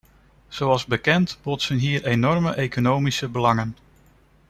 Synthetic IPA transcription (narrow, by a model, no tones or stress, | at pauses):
z̥owɑlˠzbəkɛntb̥ɔtsənɦiːɹejnɔɹməʔejkonowmisəbəlɑŋən